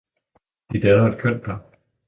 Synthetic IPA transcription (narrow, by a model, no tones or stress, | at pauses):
d̥id̥ɛːðˠɐed̥̚kʰøn̰d̥d̥a